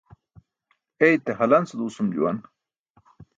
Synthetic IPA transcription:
ejt̪eɦɐlɐnsud̪uːsumd͡ʑṵwɐ̰n

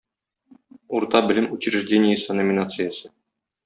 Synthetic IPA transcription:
uɾt̪ɑbɘ̆lʲɘmut͡ɕɪɾʲɪʐdʲenʲɪjəsɤnomʲɪnat̪sɨjəsɤ̥

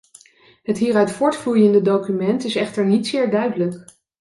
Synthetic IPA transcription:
ɦətɦiːrœɥtfʊːɹtflujəndədowkymɛntɪsɛχtəɹnitsɪːɹdœɥdələk

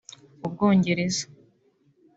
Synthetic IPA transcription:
ub̚ɡo̞ːɲɟe̞ɾe̞zḁ

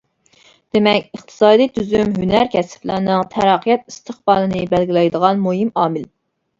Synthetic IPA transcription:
d̪̥emɛkʲəχt̪ʰɨ̥sɑːd̪ijt̪ʰyzymɦynæɾkʲʰɛsɪ̥flænɨŋt̪ʰɛɾɑqʰijɛt̪̚ist̪ʰəχbɑːlˠɨnɨbælɡʲilɛjd̪əʁɑnmoɦimɑːmɪl

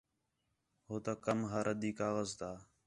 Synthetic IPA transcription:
ɦoːt̪aːkəmɦaːɾəd̪iːkaːɣəzt̪aː

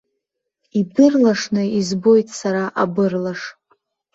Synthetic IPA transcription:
ibɨrlaʂnɨizbo̞jtʼsaɾaʔa̰bɨrlaʂ

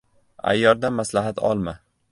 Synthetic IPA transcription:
a̰jːɒɾd̪amːaslaɦat̪ʰɒ̰lˠma

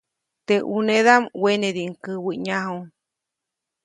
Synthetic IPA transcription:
t̪eʔuneðamweneðiʔŋkɨwɨɲãho

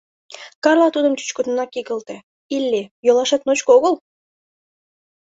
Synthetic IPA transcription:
kɑrlˠɑt̪ud̪əmt̪y̥t͡ɕkud̪nɑkiɣəlt̪ĕ | ilʲːejolɑʃɑt̪̚not͡ɕkoɣəlˠ

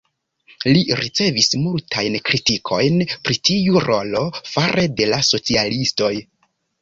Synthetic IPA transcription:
liɾit͡se̞vismultʰajnkɾitikʰo̞jnpɾitiuɾo̞lo̞faɾʔede̞laso̞t͡sialisto̞j

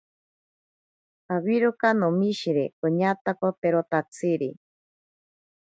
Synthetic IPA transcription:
aβiɾokanomiʃiɾekoɲat̪akop̪eɾot̪at͡sʰiɾi

